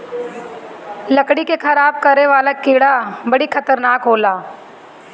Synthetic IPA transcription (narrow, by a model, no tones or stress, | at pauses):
lɐkɽikexɐɾaːb̚kɐɾeʋaːlakiːɽabɐɽikʰɐt̪əɾnaːkɦoːlaː